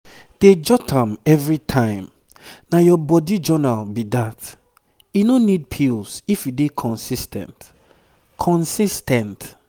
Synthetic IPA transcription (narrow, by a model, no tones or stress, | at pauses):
d̥ed͡ʒɔtʰãmɛvɹitʰãɪ̃m | najɔbɔdid͡ʒɔnalbidat | jinonid̚pʰilsifjudekʰɔ̃nsistʰɛ̰̃nt | kʰɔ̃nsistɛ̃nt